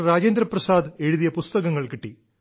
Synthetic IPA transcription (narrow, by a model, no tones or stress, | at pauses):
raːd͡ʑeːnd̪ɾɐprɐsaːd̪e̞ɻuðijɐpust̪ɐɣɐŋːɐɭkiʈːi